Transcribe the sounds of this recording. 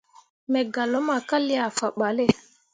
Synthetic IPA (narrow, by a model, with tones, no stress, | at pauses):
mɛ˨ɡa˨lo˨˦ma˨ka˦li˦a˨fa˨ɓa˨le˦˨